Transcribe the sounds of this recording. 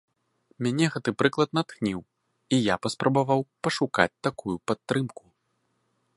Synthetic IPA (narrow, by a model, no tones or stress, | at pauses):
mʲanʲɛɣɛt̪ɨpɾɨklˠɐt̪̚nat̪xnʲiw | ijapɐspɾʔɐbavawpɐʂuka̰t͡sʲt̪akujupat̪ːɾɨmku